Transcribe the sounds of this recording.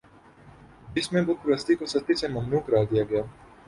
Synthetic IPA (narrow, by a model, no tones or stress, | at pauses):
ɪsmẽbʊt̪plɐst̪ikosɐt̪isemɐmnuːkɾaːɦd̪ijaɡɐjaː